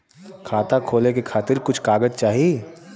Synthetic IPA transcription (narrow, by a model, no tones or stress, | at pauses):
kʰaːt̪akʰoːlekekʰaːt̪ɪɾkʊt͡ʃʰkaːɡəd͡ʒt͡ʃaːɦie